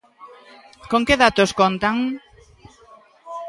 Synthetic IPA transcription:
koŋkeðat̪oskont̪aŋ

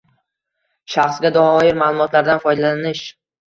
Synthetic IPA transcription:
ʃaχsɡʲad̪ɒhɒɒjɪɾmaːlˠʊmɒt̪ʰlaɾd̪anfɒjd̪alanɪʃ

